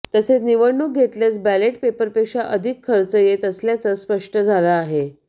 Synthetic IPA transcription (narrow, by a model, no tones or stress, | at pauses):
t̪əset͡sniʋəɽɳːuk̚ɡʱet̪ljet͡sbæleʈpepəɾpekʂaʔəd̪ʱikʰːəɾt͡səjet̪əsljat͡səspəʂʈəd͡zʱalaːɦe